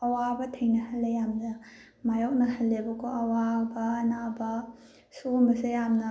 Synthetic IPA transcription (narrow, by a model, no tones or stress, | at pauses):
ɐwabɐtʰejnɐhɐlːejamnɐ | majok̚nɐhɐlːebɐkʰoɐwabɐːnabɐ | sumɐsejamnɐ